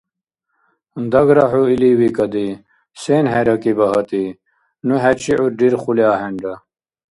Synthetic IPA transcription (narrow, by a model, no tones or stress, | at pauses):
nd̪ɐɡɾɐɦuiliwikɐd̪i | senɦeɾɐkibɐɦɐt̪i | nuɦet͡ɕiʕuɾɖiɾχuljaːɦeɳɖɐ